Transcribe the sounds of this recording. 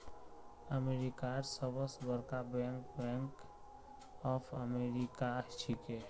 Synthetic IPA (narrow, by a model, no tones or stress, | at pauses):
əmeɾikaɾsəbəsbəɾkabɛ̃ŋkbɛ̃ŋk | ɔpʰəmeɾikaɦt͡ʃʰike